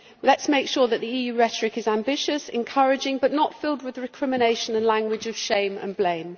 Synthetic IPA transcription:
lətsmeɪkʃɔːðəʔðiiːjʉːɹɛtəɹɪkɪzãmbɪʃəsɛ̰̃nkʰʌɹɪd͡ʒɪ̃ŋbʌʔnətfɪlˠd̚wɪðɹɪkʰɹ̥ɪmɪneɪʃə̃nə̃nlãŋɡwɪd͡ʒəv̥ʃẽɪ̃mə̰̃nblẽɪ̃m

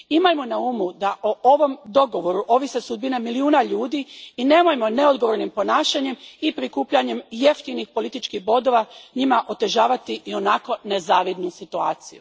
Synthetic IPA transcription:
imajmo̞naumud̪aʔoʔoʋo̞md̪o̞ɡo̞ʋo̞ɾuʔo̞ʋise̞sud̪̚binemiliuːnaʎuːd̪iine̞ːmojmo̞ne̞o̞d̪ɡo̞ʋoɾnimpo̞naːʃaɲe̞mipɾikuːpʎaɲe̞mje̞ft̪inixpo̞lit̪it͡ʃkixbo̞d̪o̞ʋaɲimaʔo̞t̪e̞ʒaːʋat̪iʔio̞nako̞ne̞zaːʋid̪nusit̪uaːt̪sḭju

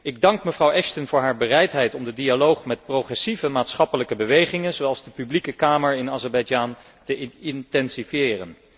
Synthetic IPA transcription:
ɪɡ̚dɑŋkməvrɑwɛʃtənvʊːɹɦaːɹbərɛjtɦɛjtɔmdədialowχmɛt̚proχrɛsivəmaːtsχɑpələkəbəʋejχɪŋənzowɑlˠzdəpyblikəkaːməɹɪnaːzɛɹbɛɑjd͡ʒaːn | təɪɪntɛnsifjɪːrən

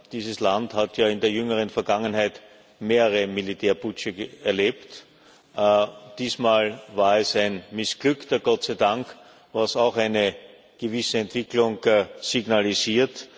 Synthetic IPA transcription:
d̥iːzəslanthatjaːɪndeːɐjʏŋəʁ̞ənfɛɐɡaŋənɦæɪt | meːʁəʁəmilitʰeːɐbʊt͡ʃəɛɐleːpt | d̥iːsmaːlvaːɐɛsæɪnmɪsɡ̥lʏktɐɡ̥ɔtt͡sæɪdaŋk | vasaʊxæɪnə | ɡ̥əvɪsəɛntv̥ɪklʊŋsiɡnaliziːɐt

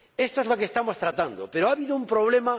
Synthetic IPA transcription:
est̪oezlokest̪amost̪ɾat̪and̪o̰peɾoaβiðoumpɾoβ̞lema

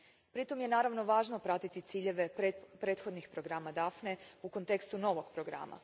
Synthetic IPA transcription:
pɾit̪o̞mje̞naːɾaʋno̞ʋaːʒno̞pɾat̪it̪it̪siːʎe̞ʋe̞pɾe̞ːt̪xo̞d̪nixpɾo̞ɡɾaːmad̪afneuko̞nt̪e̞kst̪uno̞ʋo̞ɡ̥pɾo̞ɡɾa̰ːmʔa̰

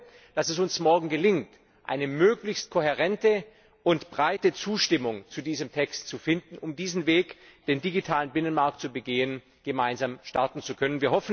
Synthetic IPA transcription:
d̥asɛs̬ʊnsmɔɐɡŋ̩ɡəlɪŋt | ʔa̰ɪnəmøːklɪçst̚kʰoheʁɛntə | ʔʊntb̥ʁaɪtət͡suːʃtɪmʊŋt͡sudiːzəmtʰɛkstt͡sufɪndn̩ʊmdiːzn̩veːkd̥eːndiɡitʰaːlənbɪnənmaɐk̚tt͡subəɡeːən | ɡ̥əmaɪnzamʃtaɐtn̩t͡sukʰœnənviːɐɦɔfn̩

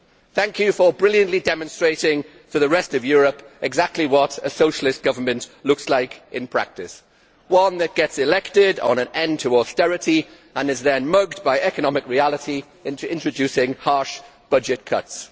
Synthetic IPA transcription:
θæ̃ŋkʰjɨfə˞bɹɪlˠjɨ̃nʔlidɛmə̃nstɹ̥eɪɾɪ̃ŋ | tʰɨðəɹɛstʌvjɔːɹəpɨɡzak̚tˡliwɒɾəsoʊʃəl̩ɪstɡ̥ʌvə˞mɨ̃nʔlʊkslaɪkɪ̃npʰɹ̥a̰k̚tɨs | wʌ̃nðɨt̚ɡ̥ɛtsɨlɛk̚tɪdn̩ə̃nɛ̃ntʰəɔstɛɹɨti | ʔə̃nɨzðɨ̃nmʌɡdbaɪʔɛkənɑmɨkɹialˠəti | ɪ̃ntʉɪ̃nt͡ʃɹ̥ɨd͡ʒʉsɪ̃ŋhɑɹʃb̥ʌd͡ʒɨt̚kʰʌ̰ts

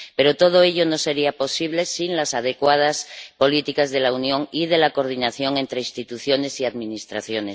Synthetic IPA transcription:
pe̞ɾo̞t̪o̞ð̞oeʎo̞no̞se̞ɾiapo̞siβ̞le̞sinlasað̞e̞kwað̞aspo̞lit̪ikazðe̞launjo̞ŋið̞e̞lako̞ɾð̞inaθjo̞ŋe̞nt̪ɾeinst̪it̪uθjo̞ne̞siaðmĩnist̪ɾaθjo̞nes

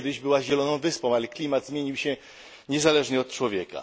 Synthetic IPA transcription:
d̪ɘʑbɘwaʑɛlɔnɔ̃w̃vɘspɔ̃w̃alɛklʲimad̪zmʲjeɲiwɕɛ | ɲɛzalɛʐɲɛɔt̪̚t͡ʂwɔvʲjɛka̰

